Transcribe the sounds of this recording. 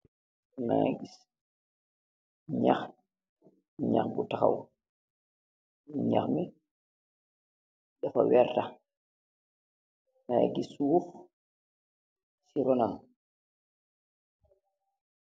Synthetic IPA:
na̰a̰ɡis | ɲa̰x | ɲa̰xɡutaxa̰w | ɲa̰xmɛ | ɗafawɛɾta | naja̰ɡiswuf | siɾɔnam

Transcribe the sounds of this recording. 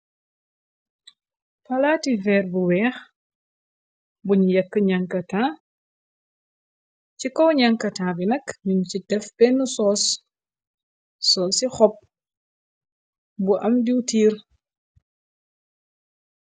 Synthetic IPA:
pɐlaːtifɛːrbuwɛːx | buɲujɐkːəɲɐŋkɐtaː | cikɔwɲɐŋkɐtaːbinɐkmincidɛfbɛnːusɔːs | ɔːsixɔp̚ | buʔɐmdiwtiːr

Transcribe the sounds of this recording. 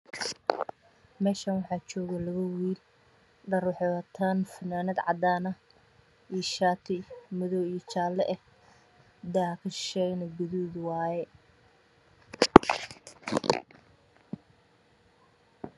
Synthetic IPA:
mɛːʃɐnwɑħɑːt͡ʃɔːɣɐlɐɣɐwiːl | ɖɐrwɑħɔwɐt̪ʰanfɐnaːnɐd̪ʕɑd̪aːnɐ | iʃaːt̪ʰɪmʊðɔwijt͡ʃaːlːɛʔɛh | d̪aːkʰɐʃɛɡnɐɡʊðuːðwɑːjɛ

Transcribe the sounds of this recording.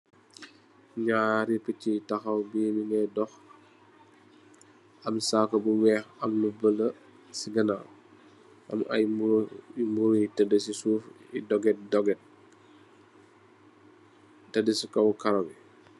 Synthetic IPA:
ɲaːɾipicitɐxɐwbiːniŋɡɛdɔx | ɐmsaːkɐbuwɛːxɐmlubələ | siɡɐna | ʔɐ̰mɐ̰j | imutɐdəsisuːfḭdɔɡɛt̚dɔɡɛt̚ | tɐdəsikɔwkɐɾɐmi

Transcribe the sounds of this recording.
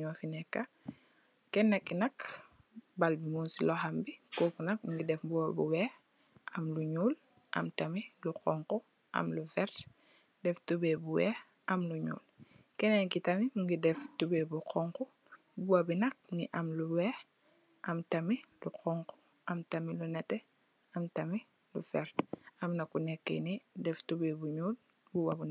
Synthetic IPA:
ɲɔfinɛkːa | kɛnːakːinɐk | balbimunsilɔhambikɔːkunɐk̚muŋɡidɛfbuwabuwɛː | ʔɐmluɲuːl | ʔɐ̰mtamiluqɔŋku | ʔɐ̰mluvɛɾt | dɛftubɛbuwɛ̰ː | ʔɐmluɲṵːlkɛnɛkitɐmimuŋɡidɛftubebuqʰɔŋku | buwɐbinɐk̚niʔɐmluwɛː | ʔɐmtɐmiluqɔŋku̥ | ʔɐmtɐmilunɛtɛ | ɐmtɐmi | lufɛɾtɐmnɐkːunɛkːḛnidɛftubebuɲuːl | buwabun

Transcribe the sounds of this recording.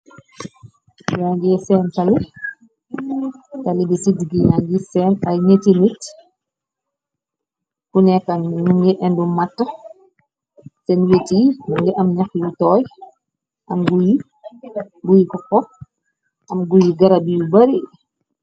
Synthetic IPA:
jaŋɡisɛːntali | talibisidɡijaŋɡisɛːnajɲetinit | kunɛkannuŋɡɛʔɛndumatːa | sɛnwetiŋɡɛʔamɲaxjutɔːj | ʔamɡuji | ɡujikɔkɔ | ʔamɡujiɡaɾabijubaɾi

